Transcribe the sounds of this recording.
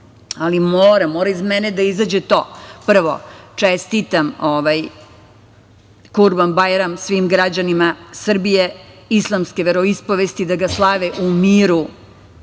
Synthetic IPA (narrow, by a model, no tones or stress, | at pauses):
alimoːɾamoːɾaizmɛned̪aizad͡ʑet̪o̞ːpr̩ʋo̰t͡ʂest̪it̪amoʋaj | kuɾbambajɾamsʋimɡɾad͡ʑanimasr̩bijeislˠamskʲeʋeɾo̞ispoʋest̪id̪aɡaslˠaʋeʔumiːɾu